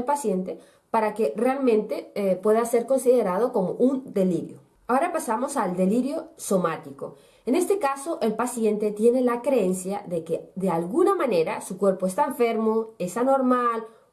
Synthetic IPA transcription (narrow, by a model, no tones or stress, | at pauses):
elpasje̞nt̪e̞ | paɾake̞realmẽnt̪e̞pwe̞ðase̞ɾko̞nsiðe̞ɾaðo̞ko̞mo̞̰ʔund̪e̞liɾjo | aoɾapasamosald̪e̞liɾjo̞so̞mat̪iko̞̰ | ene̞st̪e̞kaso̞ʔelpasje̞nt̪e̞t̪jene̞lakɾeensjaðe̞keðealɣunamãne̞ɾasukwe̞ɾpo̞est̪aeɱfe̞ɾmo̞esano̞ɾmal